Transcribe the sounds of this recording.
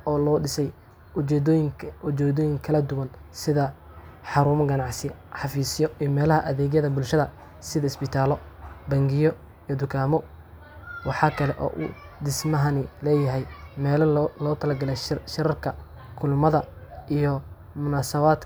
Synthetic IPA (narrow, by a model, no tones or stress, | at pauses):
ɔːlɔːɖɪsɛj | ɛjʊt͡ʃɛːd̪ɔːjɪŋkʰɐlɐd̪ʊwɐn | sɪðɐ | ħɑɾuːmɐɡɐnɑʕsɪħɑfiːsɪjɔijɔmɛːlɐɦɐʔɐðɛːɣjɐðɐbʊlʃɐðɐ | sɪðɐɪsbɪt̪ʰaːlɔbɐŋɡɪjɔ | ijɔd̪ʊkʰaːmɔ | wɑħɑːkʰɐlɛʔɔ̰ːʔṵ | d̪ɪsmɐɦɐnɪlɛːjɐɦɛjmɛːlɐlɔːt̪ʰɐlɐɡɐlɛʃɪɾɐrkʰɐ | kʰʊlmɐðɐijɔ | mʊnaːsɐβaːd̪